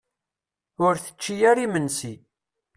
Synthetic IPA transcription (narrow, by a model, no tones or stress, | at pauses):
ʊɾθə̥t͡ʃːijæɾimənsi